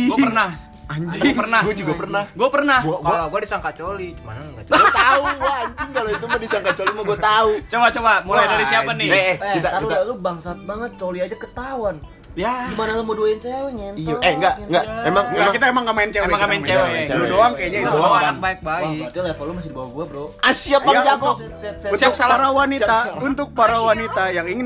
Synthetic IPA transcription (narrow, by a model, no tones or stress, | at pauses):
ɡapərnah | aɲd͡ʒɪpərnahɡuad͡ʒuɡapərnahɡuapərnahɡkaloɡuadisaŋkat͡ʃolit͡ʃuma̰naŋɡat͡ʃt̪auɡuaaɲd͡ʒɪŋkaloit̪umadisaŋkat͡ʃolimaɡuat̪aut͡ʃobat͡ʃobamulajdaɾisiapanɪɛkit̪aakiuaalubaŋsat̪̚baŋət̪̚t͡ʃoliad͡ʒakət̪awan | jaɡimanalamoduaint͡ʃeɲaɛŋɡaŋɡaemaŋɡakit̪aemaŋɡaʔmaɪnt͡ʃeaŋɡamaɪnmt͡ʃewaludoaŋkajaɲaiaanak̚baɪk̚baitɛlɛfɔlomasɪdibawaɡuabəɾoasiapad͡ʒakɔ | unt̪ʊksalaɾawanit̪aunt̪ʊk̚paɾawanit̪ajaŋiŋɪn